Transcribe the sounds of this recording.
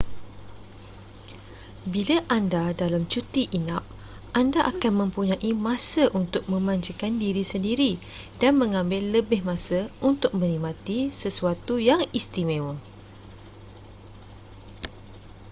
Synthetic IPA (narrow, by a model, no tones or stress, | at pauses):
bilaʔandadalamt͡ʃut̪iʔinap̚ | ʔandaʔakanmə̃mpuɲãʔimãsəʔunt̪ʊk̚mə̃mãɲd͡ʒəkandiɾisəndiɾidanmə̃ŋãmbɪlːəbɪhmãsəunt̪ʊk̚mə̃nimãt̪isəsuat̪ujaŋist̪imẽwə